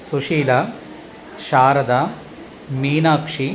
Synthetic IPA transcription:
suʂiːlɐ | ʃaːɾɐd̪ɐ | miːnaːkʂi

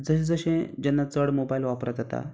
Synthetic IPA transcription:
d͡zəɕẽd͡zəɕẽd͡ʑɛnːat͡səɽmobailʋapɾat̪ɦət̪a̰

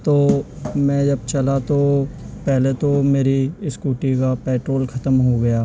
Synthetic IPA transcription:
t̪oːmɛ̃ːd͡ʒɐbt͡ʃɐlat̪opɛɦlet̪omeːɾiɪskuːʈikapɛːʈɾoːlxʰɐt̪əmɦoɡɐjaː

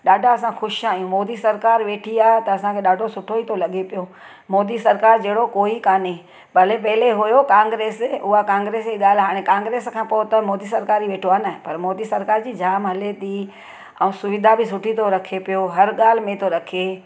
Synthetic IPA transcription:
ɗaːɖʱaɐsãxʊʃaːijũmɔːd̪isɐɾkaːɾʋeːʈʰiaːɦt̪ɐɐsãkʰeːɗaːɖʱosʊʈʰoit̪ʰolɐɠepijo | mɔːd̪isɐɾkaːɾd͡ʑeːɽokoːikaːnẽ | bɐlepɐɦɪleɦʊjokãːŋɡɾeːsʊɦakãːŋɡɾeːseɠaːl̤ɦaːɽ̃ẽkãːŋɡɾeːskʰãːpoʊt̪ɐmɔːd̪isɐɾkaːɾiʋeːʈʰoaːnaːɦɪpɐɾmɔːd̪isɐɾkaːɾd͡ʑiːd͡ʑaːmɦɐlet̪iː | ɛ̃ũsʊʋɪd̪ʱabɪs̬ʊʈʰit̪ʰoɾɐkʰepijoɦɐɾɠaːl̤ɪmẽt̪ʰoɾɐkʰieː

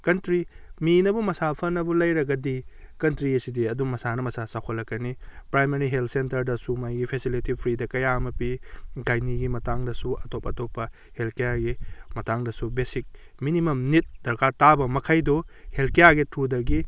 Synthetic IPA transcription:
kɐntɾi | minɐbumɐsapʰɐnɐbulɐjɾɐɡɐdi | kɐntɾiɐsidiɐdumɐsanɐmɐsasakʰolːɐkːɐnipɾajmeɾiɦeltʰsentɐɾdɐsumajɡipʰesiletipʰɾidɐkɐjamɐpiɡajniɡimɐtaŋdɐsuɐtopɐtopːɐ | helkejaɡimɐtaŋdɐsubesik̚ | minimɐmnit̚d̥ɐɾkʰatabɐmɐkʰajduhelkejaɡitʰudɐɡi

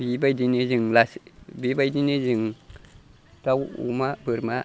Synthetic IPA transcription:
bibajdinid͡ʒiŋlasbibajdinid͡ʒiŋ | tawṵmabɨɾma

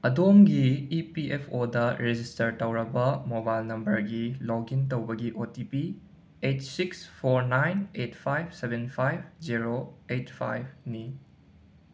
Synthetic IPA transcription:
ɐdomɡiipiʔepʰodɐɾed͡ʒistɐɾtɐwɾɐbɐmobajlnɐmbɐɾɡiloɡintɐwbɐɡiʔotipi | etsikspʰoɾnajnetpʰajb̚ʰsebenpʰajbd͡ʒiɾoetpʰa̰jb̚ni

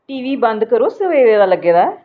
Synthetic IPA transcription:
ʈiːʋiːbənd̪kəɾoːsəʋeːd̪eːd̪aːləɡːeːd̪aː

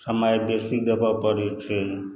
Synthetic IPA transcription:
səmajbesik̚d̪əpapəɾet͡ʃʰe

